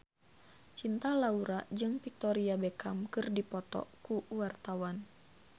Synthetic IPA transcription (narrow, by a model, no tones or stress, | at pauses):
t͡ʃint̪alauɾad͡ʒɨŋfik̚t̪ɔɾiabekʰamkɨrdipɔt̪ɔ̰kuwart̪awan